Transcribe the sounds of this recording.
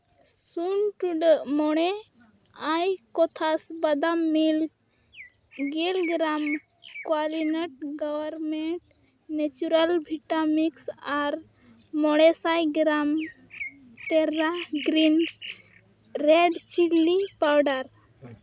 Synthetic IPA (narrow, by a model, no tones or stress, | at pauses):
sunʈuɖəʔmɔɽ̃e | ajkɔt̪ʰasbad̪amilk | ɡelɡɾam | kwalinəʈ̚ɡɔwaɾmeɳʈ | net͡ʃuɾalbʱiʈamiksaɾ | mɔɽ̃ɛsajɡɾam | t̪ɛɾaɡɾins | ɾeɖt͡ʃilːipawɖaɾ